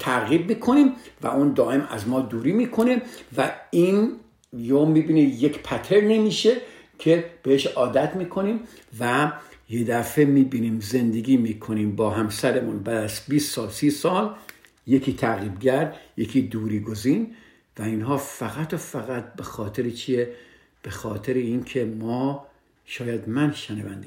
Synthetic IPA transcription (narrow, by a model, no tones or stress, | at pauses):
t̪ʰæɣiːb̚miːkʰo̞niːmvæ̰ʔund̪ɒːʔe̞mæ̰zmɒːd̪uːɾiːmiːkʰo̞ne̞væin | joːmiːbiːnejekpʰæt̪ʰeɾnemiːʃe | kʰe̞b̥eheʃɒːd̪æt̪ʰmiːkʰo̞niːm | væjed̪æfemiːbiːniːmzend̪e̞ɡʲiːmiːkʰoniːmbɒːɦæmsæɾemunbæːd̪æzbiːssɒːlsiːsɒːl | jekʰiːt̪ʰæɣiːbɡæɾd̪jekʰiːd̪uːɾiːɡoziːn | væinɦɒːfæɣæt̪ofæɣæt̪̚be̞xɒːt̪ʰe̞ɾet͡ʃʰije | b̥e̞xɒːt̪ʰeɾeiːnkʰe̞mɒː | ʃɒːjæd̪mænʃenævæ̰nd̪i